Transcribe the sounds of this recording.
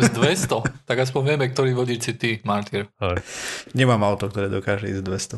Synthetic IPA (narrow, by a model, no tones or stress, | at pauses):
zd̪ʋɛst̪ɔt̪aɡas̬pɔɲʋɪɛmɛk̚t̪ɔɾiːʋɔɟiːt͡ʃt͡sit̪imaɾt̪iɾ | ɲɛmaːmaʊt̪ɔkt̪ɔɾɛːd̪ɔkaːʒɛḭːzd̪ʋɛst̪ɔ